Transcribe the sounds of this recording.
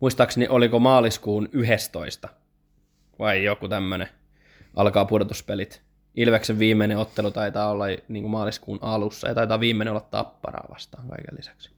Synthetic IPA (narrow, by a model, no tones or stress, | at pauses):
muist̪ɑksniʔolikomɑːliskuːnyɦest̪oist̪ɑ | ʋɑijokut̪æmːøne | ʔɑ̰lkɑːpudot̪uspelit̪ | ilʋekseʋʋiːmːeineot̪ːelut̪ɑit̪ɑːolːɑjniːŋkummɑːliskṵːnɑlusːɑ̰jɑt̪ɑit̪ɑːʋʋiːmːeneolːɑt̪t̪ɑ̰pːɑ̰rɑ̰ːʋɑ̰st̪ɑ̥ːŋkɑ̰ikḛlːisæ̥ks